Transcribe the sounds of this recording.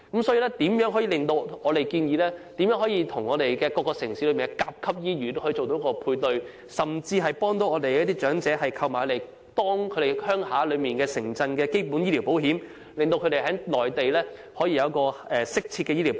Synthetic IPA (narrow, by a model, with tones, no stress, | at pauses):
kɐ˨˥msɔː˨˥jiː˧lɛː˥t̪iː˨˥mjœː˨˥ŋɦɔ˨˥jiː˨˧lɪ˨ŋt̪o˧wɔː˨˧ɾe˨jkiː˧njiː˨˧lɛː˥t̪iː˨˥mjœː˨˥ŋɦɔː˨˥jiː˧t̪ʰʊ˨˩ŋɔː˨˧ɾe˨jkɛː˧kɔː˧kːɔ˧sɪ˨˩ŋsiː˨˥lːmiː˨nɛ˧kaː˧p̚kʰɐ˥p̚jiː˥jyː˨˩t̪o˥hɔ˥˧˥t͡so˨wt̪o˧˥kɔː˧pʰuː˧jt̪ɵ˨˧ɥ | sɐ˨˩mt͡siː˧ɦɐ˨˩jpɔː˥ŋt̪o˨˧˥wɔː˨˧d̪e˨jɐ˥t̪iː˥t͡ʃœː˨˥ŋt͡sɛː˨˥hɐ˨jkʰɐ˧wmaː˨˩˧le˨˩j | t̪ɔː˥ŋkʰɵ˨˧d̪e˨jhœː˥ŋhaː˨˥lɵ˨˧ɥmiː˨nkɛː˧sɪ˨˩ŋt͡sɐ˧nkɛː˧ke˥jpu˨˥nji˥li˨˩wpo˨˥wɦiː˨˥m | lŋt̪o˧wkʰɵ˧ɾe˨jɦɐ˨˥lɔː˨˩jt̪e˨jlɛː˥hɔː˨˥jiː˧jɐ˧wkɔː˧ɛː˨sɪ˥k̚t͡sʰi˧tkɛː˧jiː˥li˨˩